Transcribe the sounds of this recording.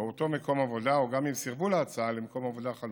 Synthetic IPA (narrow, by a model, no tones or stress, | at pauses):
eot̪o̞me̞ko̞mavo̞d̪aoɡamimsiʁbulaːt͡saalemko̞mavo̞d̪aχal